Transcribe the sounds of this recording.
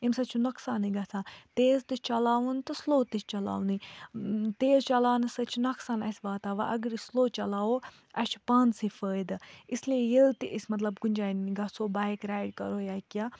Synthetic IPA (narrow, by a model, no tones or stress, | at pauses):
imsɐt͡ʃʰunɐksaːniɡɐt͡sʰãːt̪eːzt̪ɨt͡ʃɐlaːʋunt̪ɨsloːt̪it͡ʃt͡ʃɐla̰ːʋni | t̪eːzt͡ʃɐlaːnɨsɐt͡ʃʰnɐksaːnɐsʲbaːt̪aːʋaʔɐɡəɾsloːt͡ʃɐlaːo | ɐt͡ʃʰpaːnsifəːd̪ɨisliejelt̪iʔisʲmɐt̪lɐbɡʊnʲd͡ʒaːnɡɐsoːbaːjkɾaːjɖkɐ̰ɾoːjaːkʲaː